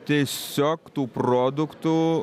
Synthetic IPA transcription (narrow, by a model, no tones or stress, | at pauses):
t̪ʲiɛsʲoːkt̪uːpɾoːd̪ʊkt̪u